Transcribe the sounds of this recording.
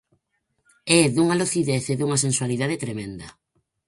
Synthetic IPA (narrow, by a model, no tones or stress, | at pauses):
ɛðuŋaloθiðeθeðuŋɐsẽnswaliðaðet̪ɾemẽnd̪ɐ